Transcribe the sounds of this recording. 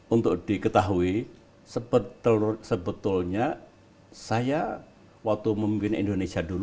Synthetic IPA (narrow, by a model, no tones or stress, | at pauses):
unt̪ʊk̚d̥ikət̪aɦui | səbət̪usəbət̪ʊlɲa | saja | wak̚t̪uməmimpɪnḭndonesiadulu